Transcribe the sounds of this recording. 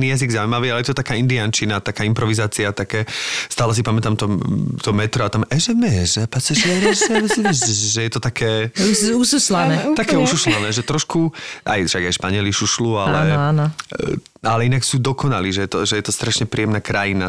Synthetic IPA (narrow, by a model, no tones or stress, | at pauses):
nijaziɡzaumaʋiːalɛjɛt̪ɔt̪akaːind̪iant͡ʃinat̪akaːimpɾɔʋizaːt͡siat̪akɛːst̪aːlɛs̬ipamɛt̪aːmt̪ɔt̪ɔmɛt̪ɾɔat̪amɛʒɛmɛʒɛpasɛʒɛɾɛsɛɛɛɛʒɛjɛt̪ɔt̪akʰɛːuususlanɛt̪akɛːususlanɛːʒɛt̪ɾɔʃkuʔa̰jfʃaɡajʃpaɲɪɛliʃuʃluallɛan | alɛinaksuːd̪ɔkʰɔnaliːʒɛjɛt̪ɔʒɛjɛt̪ɔst̪ɾaʃɲɛpɾijɛmnakɾajina